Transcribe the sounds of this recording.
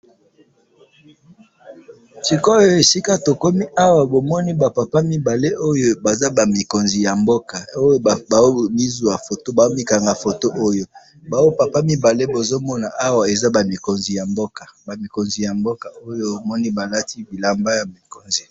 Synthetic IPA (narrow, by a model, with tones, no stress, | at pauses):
si˨ko˦o˦e˨si˦ka˦to˨ko˦mi˦ʔa˦wa˨bo˨mɔ˦ni˦ba˨pa˨pa˦mi˨ba˨le˦ʔo˦jo˦ba˨za˦ba˨mi˨ko˨nzi˨ja˨mbo˦ka˨o˦jo˦˨ba˨o˦mi˦zu˨a˨fo˨to˦ba˨zo˦mi˦ka˨ŋɡa˨fo˨to˦ʔo˦jo˦ | ba˨wo˦pa˨pa˦mi˨ba˨le˦bo˨zo˦mɔ˦na˨ʔa˦wa˨e˨za˦ba˨mi˨ko˨nzi˨ja˨mbo˦ka˨ba˨mi˨ko˨nzi˨ja˨mbo˦ka˨o˦jo˦˨mɔ˦ni˦ba˨la˦ti˦bi˨la˨mba˦ja˨mi˨ko˨nzi˨